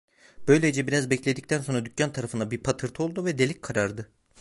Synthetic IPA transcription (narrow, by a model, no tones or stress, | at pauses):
b̥ø̞jlʲed͡ʒɛbiɾazbɛclʲe̞d̪ic̚t̪ʰænso̞nɾad̪ycʰʲːant̪ʰaɾafɯnabiɾpʰat̪ʰɯɾt̪ʰɯo̞lˠd̪uvɛd̪elʲickʰaɾaɾd̪ɯ